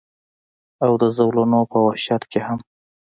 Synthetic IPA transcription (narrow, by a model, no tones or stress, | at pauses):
awd̪əzawlunopəwaʃjɑt̪keham